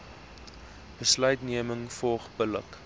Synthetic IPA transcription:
b̥əslœɥtniəməŋfɔlˠχbələ̰k

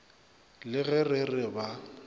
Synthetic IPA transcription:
lɪɣɛrɪrɪba

